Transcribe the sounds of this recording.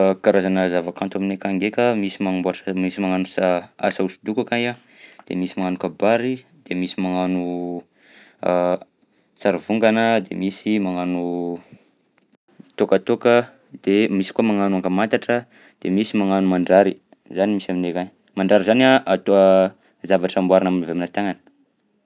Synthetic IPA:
kaɾazanəzavakant̪uaminekaŋɡekəmisimaŋboaʈ͡ʂəmisimaŋanusaa̰sausid̪ukakaja | d̪̥ḛmisimaŋanukabaɾi | d̪̥emisimaŋanu | saɾivuŋɡanəd̪ḛmisimaŋanu | t̪okat̪okə | d̪̥emisi̥kuamaŋanuaŋkəmant̪aʈ͡ʂə | d̪̥emisimaŋanumaɳɖ͡ʐaɾi | zanimisaminekaɲ | maɳɖ͡ʐaɾizaniaʔat̪oə | zavaʈ͡ʂambwaɾanamnavaminət̪aŋanə̥

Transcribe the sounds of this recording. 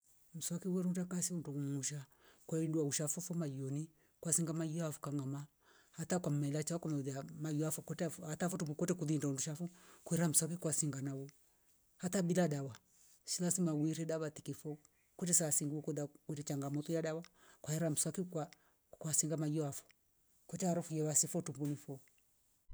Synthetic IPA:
m̩swakiwɛɾutakasimuntumummuʃakwainduauʃafɔfɔmajiɔni | kwasiŋɡamajiafu̥kaŋama | hatakwammɛlat͡ʃawakɔmɛðiamajafɔkɔtɛhatafɔtuukɔtɛkuðindaunduʃafukuɛɾam̩swak̬ikwasiŋɡanawɔ | hatabiladawa | ʃilasimawiɾɛɗaβatikifɔ | kɔtɛsasiŋɡuukuðakwɛtɛt͡ʃaŋɡamɔtujaɗawa | kwaɛɾam̩swakikwa | kwasiŋɡamajɔafɔ̥ | kɔt͡ʃɛaɾufujɛwasifɔtumbunifɔ

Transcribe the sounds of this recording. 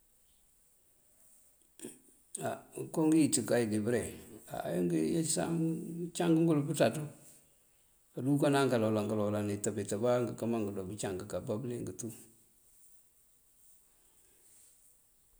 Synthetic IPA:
akɔŋɡijitikajɪɡɪbəɾɛa̰jŋɡəjesa̰mt͡ʃaŋɡəŋɡʊlʊbutatu | kadukanaŋkalɔlaŋɡalɔlanɪtabetabaŋɡəkamaŋɡədɔbit͡ʃaŋɡəkabableŋɡətu

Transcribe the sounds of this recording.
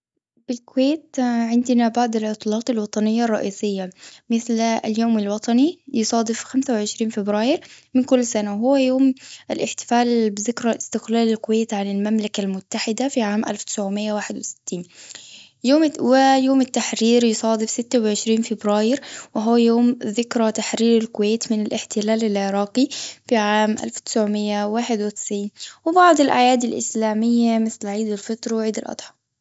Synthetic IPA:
b̥ɪlkʊweːt̪ʕɪnd̪ɪnabaʕd̪ɪlʕʊt̪ˤlɑːt̪ˤɪlwɑt̪ˤɑnɪjːarˤːɑʔiːsɪjːamɪθlljoːmalwɑt̪ˤɑnijɪsˤɑːd̪ɪfxamsawʕɪʃɾiːnfɪbɾaːjɪɾmɪnkʊlːsanaɦʊwːajoːmʔɪlʔɪħt̪ɪ̥faːlbɪzɪkɾˤɑʔɪst̪ɪqlaːlɪlkʊweːt̪ʕanɪlmamlakalmʊt̪ːaħɪd̪afiʕaːmʔa̰lft̪ɪ̥sʕʊmɪjːawaːħɪd̪wɪsɪ̥t̪ːiːn | joːmwɪjoːmɪt̪ːaħɾiːɾjʊsˤɑːd̪ɪbsɪt̪ːawʕɪʃɾiːnfɪbɾaːjɪɾwɪɦʊwːajoːmðɪkɾˤɑt̪aħɾiːɾɪlkʊweːt̪mɪnɪlʔɪħt̪ɪlaːlɪlʕɪɾˤɑːqifiʕaːmʔa̰lft̪ɪ̥sʕʊmɪjːawaːħɪd̪wɪt̪ɪ̥sʕiːnwɪbɑʕd̪ˤɪlʔa̰jaːd̪ɪlʔɪ̰slaːmɪjːamɪθlʕiːd̪ɪlfɨt̪ˤɾˤɑwʕiːd̪ɪlʔɑ̰d̪ˤħɑ̥

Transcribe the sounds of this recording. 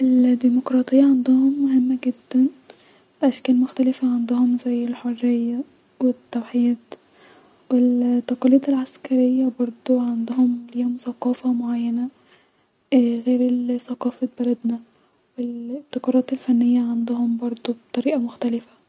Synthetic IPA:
ʔeld̪iːmokɾˤɑːt̪ˤejːɑʕand̪ʊhomːoɦemːæɡed̪ːæn | bʔæʃkæːlmoxt̪ælɪfæʕand̪ʊhomzæjːelħorːejːæ | wet̪ːæwħijiːd̪ | welt̪ːɑqɑliːt̪elʕaskæɾejːæbɑɾˤd̪ˤoʕend̪ohomliːhomsɑqɑːfɑmoʕajːænæ | ɣeːɾelsɑqɑːfelbælæd̪næ | welbt̪ːɑqɑɾˤɑːt̪elfænːejːæʕand̪ohombɑɾˤd̪ˤobt̪ˤɑɾiːʔɑmoxt̪ælɪfæ

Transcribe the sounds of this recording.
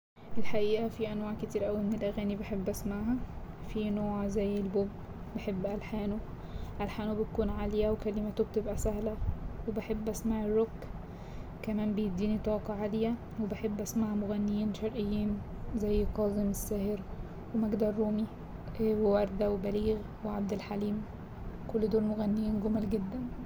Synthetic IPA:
ʔɪlħaʔiːʔæfiʔænwaːʕkɪt̪iːɾʔæwimɪnelʔæɣæːnibeħebːʔæsmaʕɦæfinoːʕzæjːelbobː | eħebːʔælħaːnu | ʔælħaːnubɪt̪̚kuːnʕaːlɪjæwkælɪmæt̪ob̚t̪ebʔæsæhlæwebeħebːʔæsmaʕerːokː | kæmæːmbejed̪iːnit̪ˤɑːqɑʕad̪ɪjæ | webeħebːʔæsmaʕmoɣænːejiːnʃɑɾˤʔejːiːn | zæjːqɑːzemesːæːheɾ | wemæɡd̪ɑɾˤːuːmi | wewɑɾˤd̪æwebæliːɣ | weʕab̚d̪ɪlħaliːm | kolːd̪oːlmoɣænːejiːnɡomælɡed̪ːæn

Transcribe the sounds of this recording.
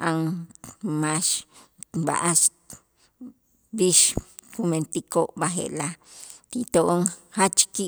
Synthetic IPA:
ʔaŋ | maʃ | ba̰ʔaʃ | biʃkument̪ikoʔbaɦḛlat̪it̪oʔoŋhat͡ʃki

